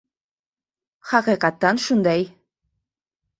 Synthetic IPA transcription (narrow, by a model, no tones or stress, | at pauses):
xɑqiqɑt̪ːɑnʃund̪ɑj